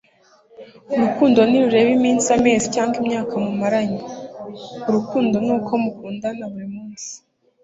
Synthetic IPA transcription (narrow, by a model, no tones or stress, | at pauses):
uɾukuːndo̞niɾuɾe̞ːβimiːnsiame̞ːzicaːŋɡimɲaːkamumaɾaɲi | uɾukuːndo̞nukʰo̞mukuːndanaβuɾimuːnsi̥